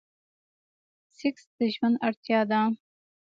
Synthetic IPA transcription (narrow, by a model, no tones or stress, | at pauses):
siksd̪əʒmənd̪aɾt̪jɑːd̪a